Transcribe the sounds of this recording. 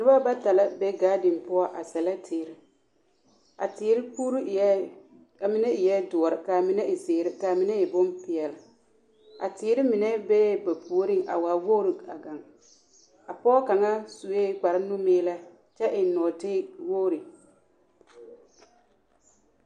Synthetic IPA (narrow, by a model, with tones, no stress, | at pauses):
nɪ˦ba˦ba˦ta˨la˦bɛ˦ɡaː˦dɪ˨npʊ˦ɔ˦ʔa˨sɛ˨la˦tʰiː˨ɾɪ˨ | a̰˨tɪː˨˦ɾɪ˦puː˦ɾu˦˨˦ | a˨mɪ˨nɛ˦ɪ˨jɛ˦dʊ˨ɔ˨ɾɪ˨ka˨mɪ˨nɛ˦ʔɪ˨sɪː˨ɾɪ˦ka˨mɪ˨nɛ˦ɪ˨bʊ˦mpɪ˨ɛ˨lɪ˨ | a̰˨tɪː˨˦ɾɪ˦mɪ˨nɛ˦bɛ˦ba˨pu˨o˦ɾɪ˦ŋʔa̰˨waː˨woː˦ɾi˨a̰˨ɡa˨ŋ | a˨pɔː˦ka˨ŋa˦su˨e˦k͡pa˨ɾɪ˦nʊ˦meː˦la˦ | t͡ʃɛ˦ʔɪ˨n˦nɔ˨tɪː˦woː˦ɾi˨